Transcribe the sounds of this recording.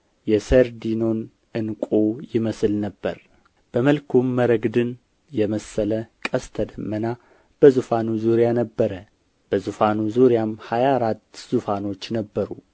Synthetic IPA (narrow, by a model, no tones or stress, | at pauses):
jɛsəɾd̪ino̞n | ɨnkʷʼojɪməslnəbːə̰ɾ | b̥əməlkʰomːəɾəɡd̪ɨn | jɛməsːələkʼəst̪ʰəd̪əmːəna | b̥əzufanuzuɾjanəbːəɾə | b̥əzufanuzuɾjamhajaɾat̪ːz̥ufano̞t͡ʃːnəbːəɾṵ